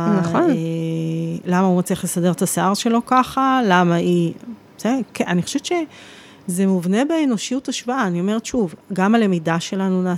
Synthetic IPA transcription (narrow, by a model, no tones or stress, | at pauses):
naone | lamaumat͡sliaχle̞sade̞ʁet̪aseaʁʃe̞lo̞kaχalamai | sekeaniχo̥ʃevt̪ʃe | ze̞muvne̞beːno̞ʃijutaʃvaaːnio̞meet̪ʃuvɡamale̞midaʃe̞lanunaː